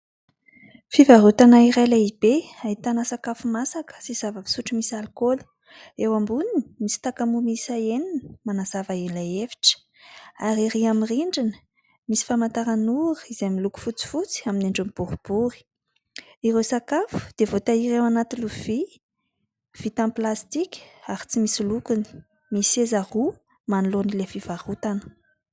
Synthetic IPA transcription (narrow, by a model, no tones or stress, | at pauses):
fivaɾut̪anaiɾajlaib̥eait̪anasakafumasakə̥siz̥avəvi̥suʈ͡ʂimisalkolu̥ | ewambuninimisi̥t̪akamumisaeninəmanaz̥avaelaevi̥ʈ͡ʂə̥ | aɾiɾiamiriɳɖ͡ʐinə̥ | misi̥famant̪aɾanuɾə̥izemiluku̥fut͡si̥fut͡si̥amineɳɖ͡ʐumib̥uɾub̥uɾi̥ | iɾewsakafu̥d̪̥evot̪aiɾewanat̪iluv̥i | v̥it̪amplast̪ikʲə̥aɾit͡simisilukuni̥ | misezahu | manilonilefiv̥aɾut̪anə̥